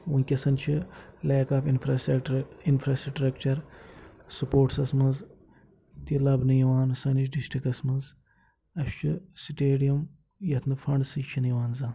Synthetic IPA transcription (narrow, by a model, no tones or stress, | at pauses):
unʲkʲɐsɐnt͡ʃʰileːkaːfinfɾasinfɾaːsʈɾɐkt͡ʃɐɾ | supoːʈsɐsmɐz | t̪ilɐbnɨjiʋaːnsɐniʃɖisʈɾikɐsmɐz | ɐʃt͡ʃʰisiʈeːɖijɐm | jɐt̪ʰnɨfɐɳɖsɨt͡ʃʰinɨjiʋaːnzaː